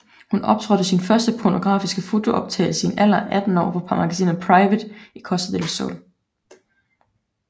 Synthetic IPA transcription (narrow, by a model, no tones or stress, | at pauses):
hunɒ̽b̥̚t͡sʰʁœd̥əsinfɶɐsd̥əpʰono̝ɡ̥ʁɑ̰̈ːfisɡ̥əfo̝t͡sʰo̝ʔɒ̽b̥̚t͡sʰɛ̰ɪl̩səenʔælɐʔæd̥n̩ɒ̰ːpʰɒ̽pʰɑ̈mɑ̈ɡ̥æsḭːnɐpʰʁɑ̈ɪʋəd̥ikʰɒ̽səð̥ˠelsɔ̰l